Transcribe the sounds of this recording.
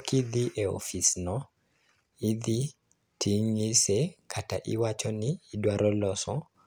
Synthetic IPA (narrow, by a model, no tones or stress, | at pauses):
kid̪iʔeo̰fisnɔ | id̪i | tʰiŋisekʰataʔɪ̰wat͡ʃɔniːdwaɾɔlɔsɔ